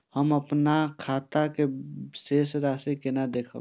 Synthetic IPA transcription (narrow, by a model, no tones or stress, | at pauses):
həmɐpnakʰaːt̪akeseːsɾaːsekenad̪eːkʰa̰